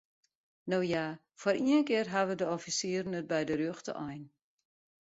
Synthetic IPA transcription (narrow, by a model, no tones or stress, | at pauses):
noːja | foɾʔiənkɪərɦaʋədəɔfisiːrnət̚bɛjdərøxtə̰ʔɔjn